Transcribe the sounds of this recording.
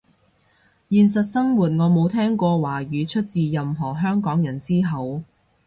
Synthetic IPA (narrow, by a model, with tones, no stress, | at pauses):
jiː˨˧ns̬ɐ˨t̚sɐ˥ŋwuː˨t̚ŋɔː˨˧mo˨˧wt̪ʰɛː˥ŋkʷɔː˧waː˨˩ɥyː˨˧t͡ʃʰɵ˥t̚t͡siː˨jɐ˨mɦɔː˨˩ɦœː˥ŋkɔː˨˥ŋjɐ˨˩nt͡siː˥ɦɐ˨w